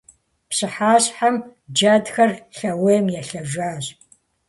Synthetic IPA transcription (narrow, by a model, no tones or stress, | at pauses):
psɨħaːɕħamd͡ʒadxɐrɬɐweːmjɛɬɐʒʷaːʑʼ